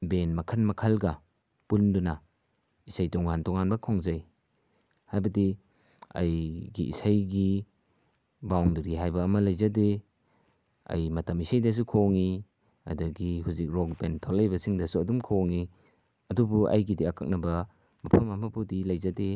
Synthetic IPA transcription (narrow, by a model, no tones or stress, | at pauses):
benmɐkʰɐnmɐkʰɐlɡɐ | pundunɐ | isajtɔŋantɔŋanbɐkʰɔŋzaj | hajbɐdi | ɐ̰jɡḭʔḭsajɡi | bawŋduɾiɦajbɐːmɐlɐjzade | ɐ̰jmɐtɐmisajdɐs̬ukʰoŋi | ɐ̰dɐɡihuzik̚ɾɔkbentʰɔlːɐjbɐsiŋdɐsuɐdumkʰoŋi | ɐdubuʔɐ̰jɡidiakʰɐ̰k̚nɐbɐ | mɐpʰɐmɐmɐbudilɐjzade